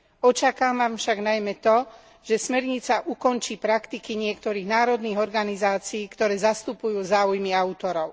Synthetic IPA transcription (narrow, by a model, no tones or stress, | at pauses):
ɔt͡ʃakaːmamfʃaɡnajmɛt̪ɔ | ʒ̥ɛsmɛɾɲit͡saʔukɔnt͡ʃiːpɾakt̪ikiɲɪɛkt̪ɔɾiːɣnaːɾɔd̪niːɣɔɾɡanizaːt͡siːkt̪ɔɾɛːzast̪upujuːzaːujmiaʊt̪ɔɾɔʊ